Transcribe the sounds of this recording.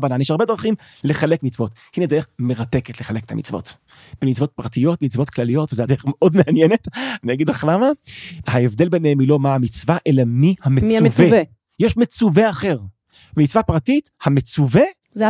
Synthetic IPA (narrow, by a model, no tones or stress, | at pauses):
vananjeʃaʁbe̞dʁaχim | leχalekmit͡svo̞thined̪eeχmeʁateketleχaleket̪amḭt͡svo̞̰t | b̥emit͡svo̞t̚pʁatijo̞tmit͡svo̞t̪klalijo̞tvezeadeeχmeʔo̞dmeanjene̞taniaɡidaχlamahaevd̪e̞lbenehemilo̞maamit͡svaʔe̞lamihamevev | jeʃmet͡suveaχeʁ | vemit͡svapʁatithamet͡suve | z